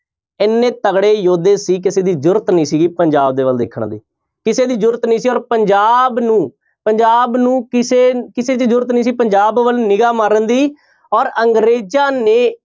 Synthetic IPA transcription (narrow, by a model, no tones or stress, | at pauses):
ɪnːẽːt̪əɡɽeːjoːd̪eːsiːk̬ɪseːd̪iːd͡ʒʊɾt̪nĩːsiːɡiːpəɲd͡ʒaːb̚d̪eːʋəld̪ekʰːəɳd̪ḭː | kɪseːd̪iːd͡ʒʊɾt̪nĩːsiːɔːɾpəɲd͡ʒaːbnũː | pəɲd͡ʒaːbnũːkɪseːkɪseːt͡ʃd͡ʒʊɾt̪nĩːs̬iːpəɲd͡ʒaːbʋəlnɪɡaːmaɾənd̪iː | ɔːɾəŋɡɾeːd͡ʒaːneː